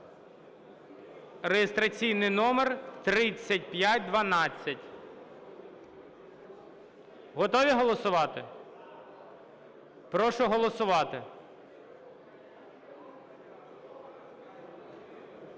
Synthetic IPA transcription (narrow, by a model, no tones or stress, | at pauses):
rejɪst̪ɾɐt͡sʲijnɪjnɔmert̪ɾɪt͡sʲːɐtʲpjatʲd̪ʋɐnɑt͡sʲːɐtʲ | ɦɔt̪ɔʋʲiɦɔlˠɔsʊʋɑt̪ɪ | pɾɔʃʊɦɔlˠɔsʊʋɑt̪ɪ